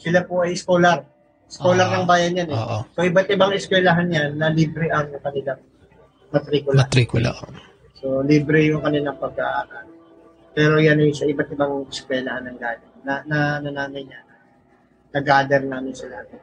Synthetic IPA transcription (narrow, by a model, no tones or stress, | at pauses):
sɪlapoʔɐjskoːlɐɾ | skolɐɾnɐŋbaːjɐnjanɛʔosoʔɪbɐt̪̚ʔɪbaŋɪskwɛːlɐɦanjanːɐliːbɾɛʔɐŋkɐnɪla | mɐt̪ɾiːkʊlɐt̪ɾiːkʊla̰ʔo | so̞liːbɾɛjʊŋkɐnɪlɐŋpɐɡ̚a̰ʔaːɾal | pɛːɾo̞janɐjsɐʔɪbɐt̪̚ɪbaŋɛskwɛːlɐhanːɐŋɡaːlɐːɐnɐnɐnaːnɐjɲanɐ | nɐɡaːd̪ɛɾnaːmɪnsɐlɐhaɡɪ